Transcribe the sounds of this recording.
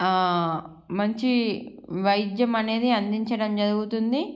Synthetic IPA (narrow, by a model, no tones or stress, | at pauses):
mɐɲt͡ʃi | ʋɐjd̪jɐmɐne̞ːd̪iɐnd̪iɲt͡ʃɐɽɐmd͡ʒɐɾuɡut̪und̪i